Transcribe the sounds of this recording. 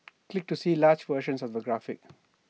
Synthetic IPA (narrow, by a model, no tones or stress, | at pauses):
klɪk̚ʈusiːlaːɾd͡ʒʋəːɾʃə̃nsɔvðəɡɾafɪ̰k